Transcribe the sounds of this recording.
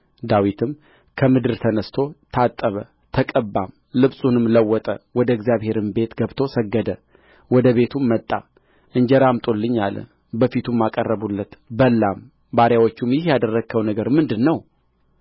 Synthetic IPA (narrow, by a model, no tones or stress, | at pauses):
d̪awit̪ʰɨm | kʰəmɨd̪ɨɾt̪ʰənəst̪ʰo̞t̪ʰat̪ʼːəβə | t̪ʰəkʼəbːam | lɨβsʼunɨmləwːɔt̪ʼə̰wɔd̪əɡzijaβhe̞ɾɨmbe̞t̪ɡəβt̪ʰo̞səɡːəd̪ə | wɔd̪əβe̞t̪ʰumːət̪ʼːa̰ | ʔɨɲd͡ʒəɾamt̪ʼolːɨɲːalə̰ | bəfit̪ʰumːakʼərːəβulːət̪bəlːam | baɾjawot͡ʃːumjɪhjad̪ərːəɡkʰːəwnəɡəɾmɨnd̪ɨnːəw